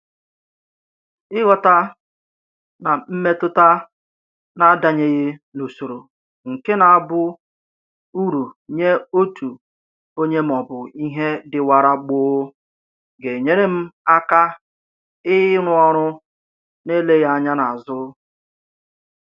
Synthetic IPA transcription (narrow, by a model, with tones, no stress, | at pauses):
ɪ˦ɣɔ˨ta˦ | na˨m̩˦me˦tʊ˦ta˦ | na˦da˨ɲe˦ɣɪ˦no˨so˨ɾo˨ | ŋ̩˨ke˦na˨a˨bʊ˦ | u˦ɾu˨ɲe˦o˦tu˨ | o˦ɲe˦m̩˨ɔ˨bʊ˨i˦ɦe˦dɪ˨wa˨ɾa˦ɡ͡bʊː˦ | ɡe˨ɲe˦ɾe˦m̩˦a˦ka˦ | ɪ˦ɾʊ˦ɔ˦ɾ̃ʊ˦ | ne˦le˦ɣa˦ɲa˦na˨a˨zʊ˦